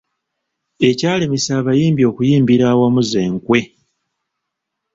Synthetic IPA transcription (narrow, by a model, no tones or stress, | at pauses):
e̞caːlemisaβajiːmbjo̞ːkujiːmbiɾaːwamuze̞ːŋkwe̞